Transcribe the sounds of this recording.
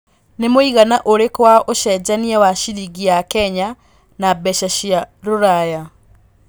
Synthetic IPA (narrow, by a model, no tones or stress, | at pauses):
nemoiɣanaʔoɾekwaoʃɛd͡ʑaniawaʃiɾiɡiakɛɲa | nabɛʃaɕjaɾoɾaja